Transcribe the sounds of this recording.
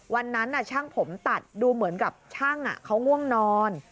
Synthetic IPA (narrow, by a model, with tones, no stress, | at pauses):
wa˧nːa˦˥nʔa˨˩t͡ɕʰa˥˩ŋpʰo˩˦mt̪a˨˩t̪̚duː˧mɯ˨˩˦ənka˨˩p̚t͡ɕʰaː˥˩ŋʔa̰˨˩kʰa˦˥wŋu˥˩əŋnɔː˧n